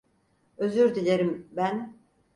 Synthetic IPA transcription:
øzyɾd̪ilʲeɾimbæn

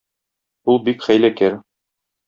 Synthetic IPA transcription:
ulˠbikχæjlækæɾ

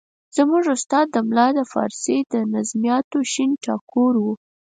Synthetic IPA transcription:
z̥muʐʊst̪ɑd̪ːəmlɑd̪əfɑ̰ɾsed̪ənazmijɑt̪oʃinʈɑkoɾwu

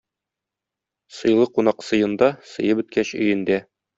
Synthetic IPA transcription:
sɤ̆jlˠɤqunɑqsɤ̆jɤ̆nd̪ɑsɤ̆jɤpɵ̆t̪kæɕɵ̆jɘ̆nd̪æ

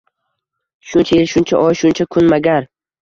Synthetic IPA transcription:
ʃʊnt͡ʃʰaelʃʊnt͡ʃʰa̰ʔɒjʃʊnt͡ʃʰakʰʊnmaɡʲaɾ

